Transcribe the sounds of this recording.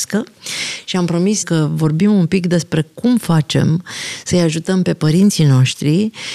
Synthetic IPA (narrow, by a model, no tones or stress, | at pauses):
skəʃiampɾo̞miskəvo̞rbimumpikd̪e̞spɾe̞kumfat͡ʃe̞̰msəjaʒut̪əmpe̞pəɾint̪sino̞ʃt̪ɾi